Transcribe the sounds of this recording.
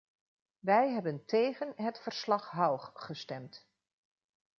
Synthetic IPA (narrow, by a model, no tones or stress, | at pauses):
ʋɛjɦɛbəntejχənɦətfəɹslɑχɦɑwχχəstɛmt